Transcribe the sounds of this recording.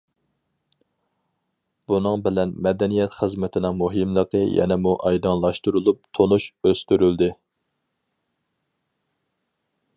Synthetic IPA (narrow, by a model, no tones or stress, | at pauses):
b̥unɨŋbɪlɛnmɛd̪ɛnijɛt̪χəzmɛt̪ʰɪnɪŋmuɦɨmlˠəqʰəjɛ̰nɛmuʔɑjd̪ɑnlˠɑʃt̪uɾulˠup̚t̪ʰonuʃøst̪yɾyld̪ɪ